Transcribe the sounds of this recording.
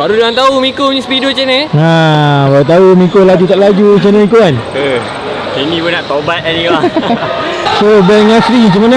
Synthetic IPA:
baɾudaŋant̪aumikoɲĩspidot͡ʃenəabaut̪̬aumĩkolad͡ʒut̪aʔlad͡ʒut͡ʃenəikoanə | t͡ʃenĩpunaʔt̪obat̪̚ɛnia | sobɛŋasɾis̬əmənã

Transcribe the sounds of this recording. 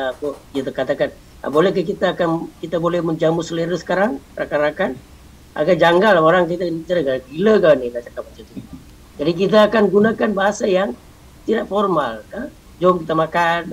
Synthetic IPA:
kʊit̪akat̪akan | a̰bolɛhkak̬it̪aːkankit̪abolɛhməɲd͡ʒamusəleɾəsə̥kaɾaŋrakanɾakan | ʔa̰ɡad͡ʒaŋɡalbaɾaŋkit̪at͡ʃaɾaɡabiləkanilat͡ʃakapasit̪u | d͡ʒadik̬it̪̬aːkanɡunakanbaɦasajaŋ | t̪idaʔfɔrmalka | d͡ʒɔmkit̪amakan

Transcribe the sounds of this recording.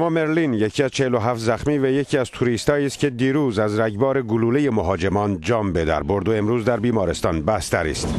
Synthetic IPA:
æmɒːme̞ɾlinjecʰiːæz̥t͡ʃʰeheloɦæft̪zæxmiːvæjecʰiːæz̥t̪ʰuɾiːst̪hɒːiːst̪̚cʲʰe̞d̪iːɾuːzæzɾæɟbɒːɾe̞ɡuluːlejemoɦɒːd͡ʒe̞mɒːnd͡ʒɒːmbe̞d̪æ̰ɾbo̞ɾd̪oe̞mɾuːzd̪æɾbiːmɒːɾe̞st̪ɒːnbæst̪æɾḭːst̪

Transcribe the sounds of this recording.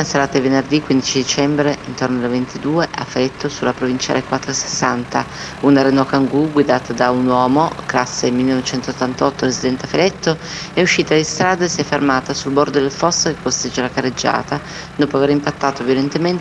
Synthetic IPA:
aseɾaːt̪aivenerd̪ikwind̪it͡ʃid̪it͡ʃɛmbɾeint̪ornoalvent̪id̪uːeʔa̰fːeɾɛt̪ːosulapɾovint͡ʃa̰ːlekwat̪ːɾoese̥sːant̪a | unaɾenɔkaŋɡuɡwid̪aːt̪ad̪aunwɔːmoklasːemilːenɔvet͡ʃɛnt̪ot̪ːant̪ɔt̪ːoɾezid̪ɛnt̪eafeɾɛt̪ːo | ɛuʃːiːt̪ad̪ist̪ɾaːd̪asiɛfːermaːt̪asulbord̪od̪elfɔsːokekːost̪ed͡ʒelakarːed͡ʒːa̰ːt̪a | d̪oːpoaveɾimpat̪ːaːt̪ovjolent̪ement̪

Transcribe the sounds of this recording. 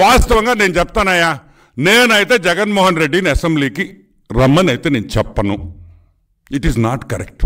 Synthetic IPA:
ʋaːst̪ɐʋɐŋɡaːne̞ːnut͡ʃɛp̚t̪aːnːaːjaː | neːnɐjit̪eːd͡ʒɛɡɐnmɔːɦɐnɾeɖːiniɐsembliːki | ɾɐmːɐnɐjit̪eːneːnut͡ʃɛpːɐnu | iʈiznaːʈkɐɾḛk̚ʈ

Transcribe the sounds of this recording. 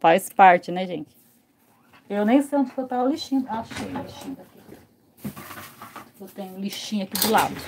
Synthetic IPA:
fajspaɾt͡ʃɪnɛʒẽt͡ʃɪ̥ | ewnẽj̃sẽnt̪ʊ̥fot̪aʊ̃liʃĩaʃʊ̥kẽliʃĩd̪aki | ewt̪ẽɲʊ̃liʃĩɐkid͡ʒɪla̰d̪ʊ

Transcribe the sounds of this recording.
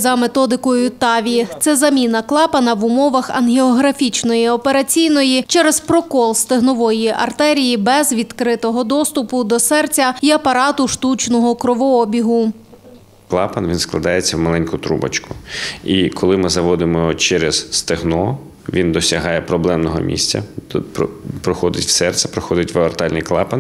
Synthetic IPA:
zɐmet̪ɔd̪ɪkɔjʊt̪ɑʋʲit̪sɛzɐmʲinɐklˠɑpɐnɐʋʊmɔʋɐxɐ̰nɦʲeɔɦɾɐfʲit͡ʃnɔjiɔpeɾɐt͡sʲijnɔjit͡ʃɛɾɛzpɾɔkɔlˠst̪ɪɦnɔʋɔjiʔɐ̰rt̪ɛɾʲijibɛzʋʲid̪kɾɪt̪ɔɦɔd̪ɔst̪ʊpʊd̪ɔsɛrt͡sʲɐiɐpɐɾɑt̪ʊʃt̪ut͡ʃnɔɦɔkɾɔʋɔɔbʲiɦʊ | klˠɑpɐnʋinsklˠɐd̪ɑjet͡sʲːɐwmɐlˠɛnʲkʊt̪ɾṵbɐ̰t͡ʃkʊikʰɔlˠɪmɪzɐʋɔd̪ɪmɔt͡ʃɛɾɛz̥st̪ɪɦnɔ | ʋʲind̪ɔsʲɐɦɑjɛpɾɔblˠɛmnɔɦɔ̰mʲḭsʲt͡sʲɐ̰ppɾɔxɔd̪ɪtʲw̥sɛrt̪sɛpɾɔxɔd̪ɪtʲʋɐɔrt̪ɑlʲnɪjklˠɑ̰pɐn

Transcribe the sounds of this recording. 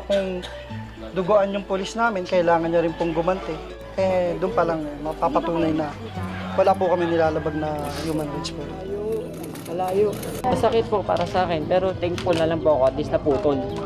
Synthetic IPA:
kʊŋ | d̪ʊɡʊʔanjʊŋpʊlisnaːmɪnkɐʔɪlaːŋɐnɲɐɾɪnpʊŋɡʊmɐnt̪ɛ | ʔɛd̪ʊnpɐlaŋmɐpapɐt̪uːnɐjnɐ | wɐlaːpʊkɐmɪnɪlaːlɐbaɡ̚nɐjuːmɐnɾad̪spod̪jo | mɐlaːjo | nɐsɐkɛt̪̚po̞pa̰ːɾɐsɐʔaːkɛnpɛːɾo̞t̪ɛŋ̚polnɐlɐŋpoʔɐko̞ʔɐt̪lisnɐpuːt̪on

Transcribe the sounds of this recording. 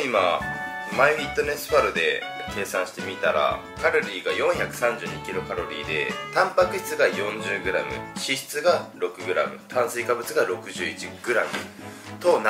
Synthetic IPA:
imamaiit̪ːo̞ne̞sɨ̥ɸaɾɯ̟d̪e̞̰ke̞ːsãɰ̃ɕi̥t̪e̞mʲit̪aɾa̰ | kaɾo̞ɾʲiːɡajõ̞ɰ̃çakɯ̟̥sãɲd͡ʑɨːɲikʲiɾo̞kaɾo̞ɾʲḭːd̪e̞̰t̪ãmpakɯ̟ɕi̥t͡sɨɡajõ̞ɲd͡ʑɨːɡɯ̟ɾa̰mɯ̟̰ɕiɕi̥t͡sɨɡaɾo̞kɯ̟ɡɯ̟ɾa̰mɯ̟̰t̪ʰãɰ̃sɨikabɯ̟t͡sɨɡaɾo̞kɯ̟ʑɨːit͡ɕiɡ̥ɯ̟ɾamɯ̟̰t̪o̞n

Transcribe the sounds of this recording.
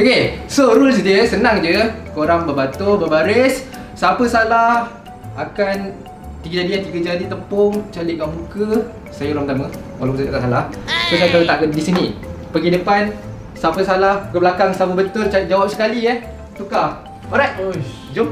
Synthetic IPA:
okesoɾʊsdiəsənãŋd͡ʒəkoɾaŋbəbat̪ʊbəbaɾɪsː | apəsalah | akan | t̪iɡad͡ʒadiat̪iɡəd͡ʒadit̪əmpʊŋt͡ʃalɪʔ̚kaʔmukə | sajəuɾaŋt̪aməwalakusaat̪aʔsalahsosakalat̪aʔkədisinipəɡidəpan | sapəsalahkəbəlakaŋsapəbət̪ʊrt͡ʃad͡ʒawap̚sə̥kaliɛh | t̪ukah | oɾat̪̚ | d͡ʒo

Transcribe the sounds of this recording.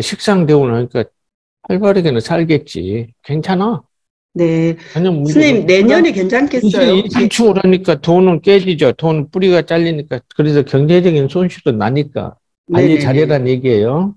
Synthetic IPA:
ɕʰik̚s͈aŋdweɡonaɲik͈a | paɭbʌɾeɡenɯnsʰaɭɡe̞t̚t͡ɕ͈ḭke̞ŋt͡ɕʰana | ne̞aɲʌŋmuɲimneɲʌnikeŋt͡ɕʰank͈end͡ʑisʰaŋt͡ɕʰumɯɾaɲik͈atonɯnk͈ed͡ʑid͡ʑotonɯnp͈uɾiɡat͡ɕ͈aʎːiɲik͈akɯɾesʰʌkjʌŋd͡ʑed͡ʑʌɡinsʰonɕʰiɾonaɲik͈a̰ | aʎːit͡ɕaɾjeɾanɲje̞ɡiɦejo

